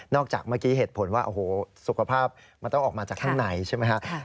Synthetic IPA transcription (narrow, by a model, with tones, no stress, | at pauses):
nɔː˥˩k̚t͡ɕa̰ː˨˩k̚maː˥˩kiː˦˥ɦeː˨˩t̪̚pʰo˩˦nwaː˥˩ʔo˧˩hoː˩˦su˨kʰa˧pʰaː˥˩p̚ | ma˧nt̪ɔ˥˩ŋʔ̚ːmaː˧t͡ɕaː˨˩k̚t̪ʰa˥˩ŋna˩˦jt͡ɕʰa˥˩jma˦˥kʰa˦˥